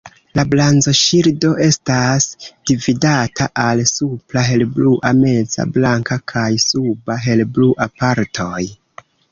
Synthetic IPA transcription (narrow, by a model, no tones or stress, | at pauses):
lablanzo̞ʃiɾdo̞ʔe̞stasd̥ividatʰaʔalsuplaɦe̞lbluʔame̞d͡za̰blaŋkakʰajsubaɦe̞lbluʔapaɾtʰo̞j